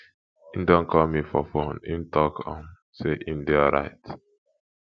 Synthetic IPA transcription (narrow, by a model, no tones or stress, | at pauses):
ĩmdɔ̃nkʰɔlmifɔfõnḭ̃mtʰɔkɔ̰̃m | seʔĩmdɛaɹa̰ɪt